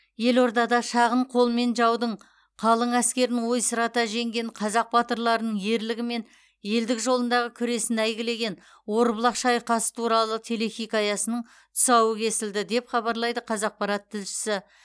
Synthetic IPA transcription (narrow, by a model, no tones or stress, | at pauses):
je̞lo̞ɾd̪ɑd̪ɑʃɑʁəɴqʰo̞lˠme̞nʒɑwd̪əɴ | qʰɑlˠəɴæskʲe̞ɾɪnɪŋwo̞jsəɾɑt̪ɑʒe̞ŋɡʲe̞nqʰɑzɑq̚bɑt̪əɾlˠɑɾənəɴje̞ɾlɪɡʲɪme̞n | je̞ld̪ɪkʒo̞lˠənd̪ɑʁəkʲʰʏɾe̞sɪnæjɡʲɪle̞ɡʲe̞n | wo̞ɾblˠɑqʃɑjqɑsə̥t̪ʰuɾɑlˠət̪ʰe̞le̞xʲijkɑjɑsənəɴ | t̪ʰʊ̥sɑwəkʲʰe̞sɪld̪ɪd̪e̞pχɑbɑɾlˠɑjd̪əqʰɑzɑq̚pɑɾɑt̪ʰːɪlʃɪ̥sɪ